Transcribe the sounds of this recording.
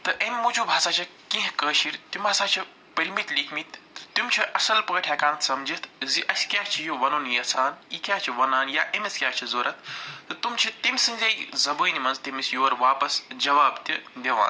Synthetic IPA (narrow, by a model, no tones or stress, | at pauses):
t̪ɐʔɐmʲːut͡ʃʰubʱaːsaːt͡ʃʰikĩɦkəːʃiɾt̪umbʱaːsaːt͡ʃʰi | pɐɾʲmit̪likʰmit̪ʲt̪umʲt͡ʃʰiʔɐsɐlpɐːʈʰjaːkaːnt̪ʰsɐmd͡ʒit̪ʰziʔɐsʲkʲaːt͡ʃʰijuʋɐnuːnijɐsʰaːniːkʲaːt͡ʃʰiʋɐnaːnjaːʔemɐsʲkʲaːt͡ʃʰizoːɾɐt̪̚ʰt̪ɨt̪umt͡ʃʰit̪imʲsɨ̃nʲzɐjzɐbəːnimɐnzt̪imisjuʋɐɾʋaːpɐsd͡ʒɐʋaːbt̪id̪ʲeʋã̰ːn